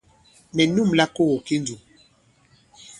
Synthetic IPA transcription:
mɛ˨nu˦˨mla˦ko˦ɣo˨ki˦nd͡zu˨

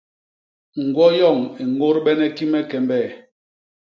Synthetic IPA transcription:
ŋ̩˨ɡwɔ˦jɔ˦˨ŋe˨ŋɡo˦ɾɓɛ˦nɛ˦ki˦mɛ˦kɛ˨mbɛ˦˨

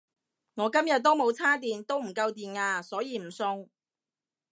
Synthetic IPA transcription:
ŋɔː˨˧kɐ˥mjɐ˨t̚t̪ːo˥wmo˨˧wt͡sʰaː˥t̪iː˨nt̪o˥wm̩˨˩kɐ˧wt̪iː˨naː˧sɔː˨˥jiː˨˧m̩˨˩sʊ˧ŋ

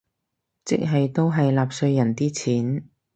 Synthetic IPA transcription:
t͡sɪ˥k̚ɦɐ˨jt̪o˥wɦɐ˨jlaː˨p̚sɵ˧ɥjɐ˨˩nt̪iː˥t͡sʰiː˨˥n

